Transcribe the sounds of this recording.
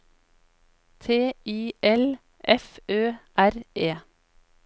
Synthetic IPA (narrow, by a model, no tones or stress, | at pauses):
t̪ʰeːiːʔɛl | ʔɛføːʔæɾeː